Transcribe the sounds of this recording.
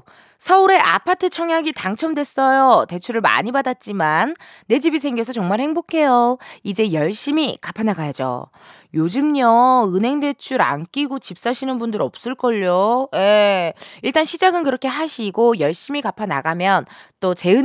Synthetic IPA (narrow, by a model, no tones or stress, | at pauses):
sʰʌuɾe̞ʔa̰pʰatʰɯt͡ɕʰʌŋjaɡitaŋt͡ɕʰʌmdwe̞s͈ʌjote̞t͡ɕʰuɾɯɭma̰ɲibadat̚t͡ɕ͈imanː | e̞d͡ʑibis̬ʰe̞ŋɡjes̬ʰʌt͡ɕʌŋmaɭhe̞ŋbokʰe̞joid͡ʑe̞jʌɭɕ͈imikapʰanaɡajad͡ʑo̰ | jod͡ʑɯmɲʌɯnɦe̞ŋde̞t͡ɕʰuɾa̰nk͈iɡot͡ɕip̚s͈aɕʰinɯnbundɯɾʌ̰p̚s͈ɯɭk͈ʌʎːoje | iɭt͈anɕʰid͡ʑaɡɯnkɯɾʌkʰe̞ɦaɕʰiɡojʌɭɕ͈imikapʰana̰ɡamjʌnt͈ot͡ɕe̞ɯ